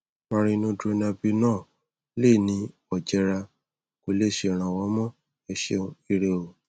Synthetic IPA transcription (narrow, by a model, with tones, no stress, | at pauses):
mã˧ɾ̃ĩ˧nũ˧˦de˧nã˧bi˧nãː˦˨ | le˦˨nĩ˨˦ | ɔ˨d͡ʒɛ˧ɾa˧ | ko˨le˦˨ʃe˧˨ɾ̃ã˨˧˨wɔ˨˦mɔ̃˦ | ɛ˧ʃḛ̃˧˦˧i˧ɾe˧o˧˨